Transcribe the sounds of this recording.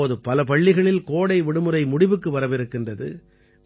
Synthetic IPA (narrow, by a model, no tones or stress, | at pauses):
oːðɯpɐlɐpɐɭːɪɣɐɭɪlkoːɽɐɪʋɪɽɯmɯɾɐɪmʊɽɪʋɯkːɯʋɐɾɐʋɪɾɯkːɪndrɐðɯ̰